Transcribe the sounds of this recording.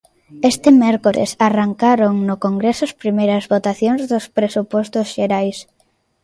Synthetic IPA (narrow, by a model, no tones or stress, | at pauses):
est̪ɪmɛɾkoɾḛsaraŋkaɾoŋnʊkoŋɡɾesʊɐspɾimejɾɐzβot̪aθjõŋzðʊspɾesupɔst̪ʊsʃeɾajs